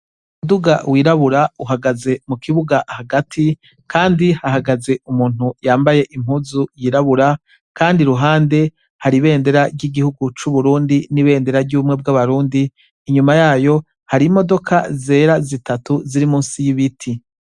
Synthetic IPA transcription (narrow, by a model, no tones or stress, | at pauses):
umuduɡawiːɾaβuɾauɦaɡaze̞mukʰiβuɡaʔhaɡatʰi | kʰaːndihaɦaɡaze̞ʔumuːn̥hujaːmbaje̞ʔim̥huzujiːɾaβuɾa | kaːndiɾuɦaːnde̞ | haɾiβe̞ːnde̞ɾaɾɟiɡihuɡut͡ʃuβuɾuːndiniβe̞ːnde̞ɾaɾɟuβumŋe̞b̚ɡaβaɾuːndiː | ɲumajaːjo̞ | haɾimo̞do̞kʰaze̞ːɾazitʰatuziɾimuːnsijiβitʰi